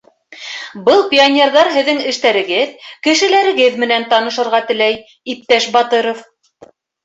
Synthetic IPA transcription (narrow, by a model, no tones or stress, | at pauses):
bɤlˠpʲionʲerðɑɾɦɘ̆ðːɘŋɘ̆ʃt̪æɾɘ̆ɡɘðkɘ̆ʃɘ̆læɾɘ̆ɡɘðmɘ̆nænt̪ɑnɤ̆ʃɤ̆ɾʁɑt̪ɘ̆læj | ip̚t̪æʃbɑt̪ɤɾof